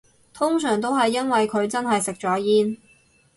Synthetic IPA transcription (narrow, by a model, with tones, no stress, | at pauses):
t̪ʰʊ˥ŋsœː˨˩ŋt̪̬o˥wɦɐ˨jːɐ˥nwɐ˨jkʰɵ˨˧ɥt͡sɐ˥nɦɐ˨jsɪ˨k̚t͡sɔː˨˥jiː˥n